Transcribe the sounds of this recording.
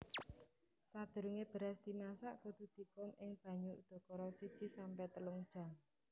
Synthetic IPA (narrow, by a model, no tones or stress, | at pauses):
sad̪̥ṳɾuŋeb̥ə̤ɾasd̪̥i̤masaʔkud̪̥ṳd̪̥i̤kʊmɪŋb̥ä̤ɲuud̪̥ɔ̤kɔɾɔsid̥ʒ̥i̤sampɛt̪əluŋd̥ʒ̥a̤ŋ